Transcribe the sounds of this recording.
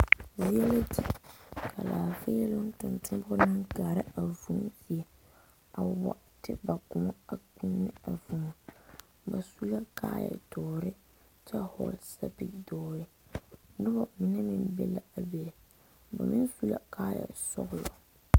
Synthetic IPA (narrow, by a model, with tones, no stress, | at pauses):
zi˦ɛ˦la˦ti˨kʰa˨laː˨fe˦ɛ˦lʊ˦n˦tʊ˨ntʰʊ˦mbnɨ˦ka˨ɾɪ˦a˨vu˨˦ŋ˦fi˨ɛ˨ | a˨wa̰˨ | tɪ˦ba˨kʊ˨mɔ˦a˨ku˦nːɪ˦a˨vu˨ma˨ | ba˨su˦la˦ka̰ː˦jɛ̰˨dɔː˨ɾɪ˦ | t͡ʃɛ˦hɔ̰˨lsa˦pi˦dɔː˦ɾɪ˦ | dʊ˦ba˨mɪ˨nɛ˦mɪ˦nbɛ̰˦la˨a˨bɛ˨l | ba̰˨mɪ˦nfu˦la̰˨kʰaː˦jɛ̰˨sɔ̰˦ɣʊ˦lɔ˨